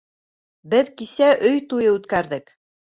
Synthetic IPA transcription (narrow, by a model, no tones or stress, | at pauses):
bɘðkisæʔɵjt̪ujɤʉt̪kæɾðɘk